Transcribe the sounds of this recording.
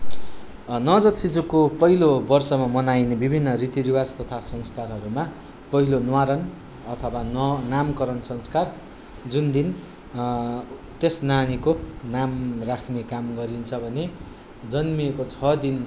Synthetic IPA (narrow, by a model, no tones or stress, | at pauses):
nʌd͡zʌt̪sid͡zukopʌɦilobʌrsʌmamʌnajnebibʱinːʌrit̪iɾiwast̪ʌt̪ʰasʌŋst̪ʰarɦʌɾuma | pʌɦilonwaɾʌn | ʌt̪ʰʌwanʌnamkʌɾʌnsʌŋskar | d͡zund̪in | t̪esnanikonamrakʰnekamɡʌɾint͡sʰʌbʱʌne | d͡zʌnmikot͡sʰʌd̪in